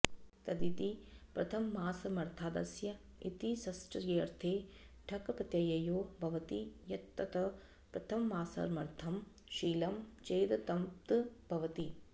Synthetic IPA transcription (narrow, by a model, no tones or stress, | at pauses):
t̪ɐd̪it̪ipɾɐt̪ʰɐmːaːsɐmɐɾt̪ʰaːd̪ɐsjɐ | it̪isɐsʈɐɾeːɾt̪ʰeː | ʈʰɐkɐpɐt̪jɐjɐjoːbʱɐʋɐt̪ijɐt̪ːɐt̪ɐ | pɾɐt̪ʰɐmːaːsɐ̰ɾmɐɾt̪ʰɐm | ʃiːlɐmt͡ʃeːd̪ɐt̪ɐmpt̪ɨbʱɐʋɐt̪i